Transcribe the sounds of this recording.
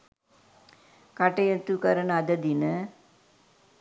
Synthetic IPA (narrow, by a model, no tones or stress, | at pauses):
kɐʈɐjɐt̪ːukɐɾɐnɐd̪ɐd̪inɐ